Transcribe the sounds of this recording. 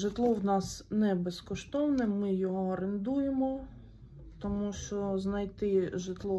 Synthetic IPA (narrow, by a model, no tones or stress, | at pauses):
ʒɪt̪lˠɔwnɑsnɛbeskɔʃt̪ɔwnɛmɪjɔɦɔɾɪnd̪ujemɔ | t̪ɔmuʃt͡ʃɔznɐjt̪ɪʒɪt̪lˠɔ